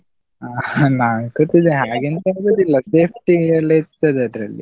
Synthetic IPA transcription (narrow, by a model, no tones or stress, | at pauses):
anaːnɡot̪id̪eɦaːɡent̪ɐd̪ɐd̪ilːɐseːpʰʈiɐlːet̪ːad̪eɐd̪ɾɐlːḭ